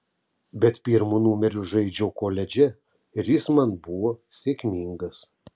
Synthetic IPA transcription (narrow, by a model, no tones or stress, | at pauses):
bʲɛt̪pʲiːɾmuːnuːmʲɛɾʲʊʒɐɪd͡ʒʲɛːkoːlʲɛd͡ʒʲɛ | ɪɾjɪsmɐnbʊʋoːsʲeːkʲmʲiŋɡɐs